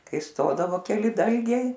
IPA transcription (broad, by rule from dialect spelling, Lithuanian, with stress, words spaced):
ˈkɐɪ ˈstoːdɐʋoː kʲɛˈlʲɪ ˈdɐlʲɡʲɛɪ